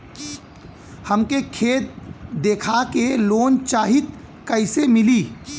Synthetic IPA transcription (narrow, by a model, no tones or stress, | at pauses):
həmkekʰeːt̪̚d̪eːkʰakeloːnt͡ʃaːɦit̪ | kəɪsemɪliː